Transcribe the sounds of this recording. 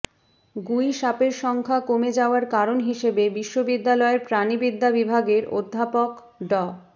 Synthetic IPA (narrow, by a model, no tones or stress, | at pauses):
ɡujʃapeɾʃɔŋkʰakomed͡ʑaoaɾkaɾonɦiʃebebiʃːobid̪ːalɔeɾpɾanibid̪ːabibʱaɡeɾo̰d̪ʱːapok | ɖɔ